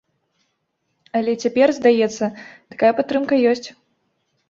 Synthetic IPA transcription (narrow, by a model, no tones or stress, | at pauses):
ɐlʲɛt͡sʲapʲɛrzd̪ajɛt̪sːɐt̪ḁkajɐpat̪ːɾɨmkɐjɔsʲt͡sʲ